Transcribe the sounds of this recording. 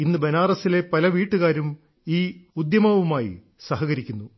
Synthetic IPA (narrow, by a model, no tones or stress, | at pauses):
inːɨbe̞naːrɐsile̞pɐlɐʋiːʈːuɣaːɾum | iːud̪jɐmɐʋumaːjḭ | sɐɦɐɣɐɾikʲːunːu